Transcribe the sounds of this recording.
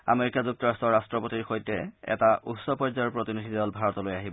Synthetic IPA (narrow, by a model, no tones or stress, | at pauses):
a̰meɹikazuk̚tɔɹastɔɹastɹɔpotiɹxojtɛɛ̰taʔutsɔpɔɹzaɹpɹotinid̪ʱidɔlbʱaɹɔtɔlojaɦibɔ